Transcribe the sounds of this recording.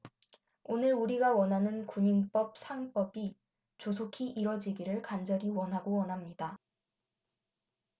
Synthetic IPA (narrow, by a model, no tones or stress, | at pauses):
onɯɾuɾiɡawʌnɦanɯnkuɲiŋp͈ʌp̚sʰaŋp͈ʌbi | t͡ɕos̬ʰokʰiʔiɾʌd͡ʑiɡiɾɯɭkand͡ʑʌɾiwʌnɦaɡowʌnɦamɲida